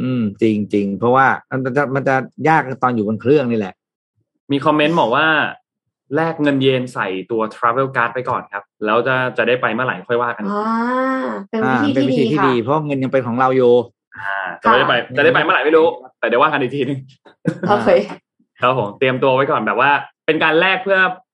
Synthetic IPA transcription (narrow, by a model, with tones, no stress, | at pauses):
ʔɯː˧mt͡ɕi˧ŋt͡ɕi˧ŋpʰɾɔ˦˥waː˥˩ma˧na˧nt͡ɕa˨˩ma˧nt͡ɕa˨˩jaː˥˩k̚t̪ɔː˧njuː˨˩bo˧nkʰɾɯ˥˩əŋniː˥˩lɛ̰˨˩ʔ | miː˧kʰɔ˧mːe˦˥nbɔː˨˩k̚waː˥˩ | lɛː˥˩k̚ŋɤ˧njeː˧nsa˨˩jt̪u˧ɐt̪ʰɾa˦˥weː˦˩wkaː˦˥t̪̚pa˧jkɔ̰ː˨˩nkʰa˦˥p̚lɛː˦˥wt͡ɕa˧˩t͡ɕa˨˩da˥˩jpa˧jmaː˥˩la˨˩˦jkʰɔ˥˩jwaː˥˩ka˧n˧ | pe˧naː˧˦˩a˧˥˧npeː˧wi˦˥iː˧t̪ʰiː˥˧diː˧pʰɾɔ˦˥waː˥˩ŋɤ˧nja˧ŋpe˧nkʰɔː˩˦ɾa˧wjuː˨˩ | ʔaː˧˩t͡ɕa˨˩m˦˥˩a˥˩a˧ja˨˩da˥˩jpa˧jma˥la˨˦jma˥˩jɾuː˦˥kʰa˦˥p̚t̪ɛː˨˩da˥˩waː˥˩ka˧ndiː˧˩t̪iː˧nɯ˨˧˦ŋ | o˧ | kʰa˦˥pʰoː˩˦mt̪i˧əmt̪u˧ɐwa˦˥jkɔː˨˩nbɛː˨˩p̚waː˥˩pe˧nkaː˧nlɛː˥˩k̚pʰɯ˥˩ɐ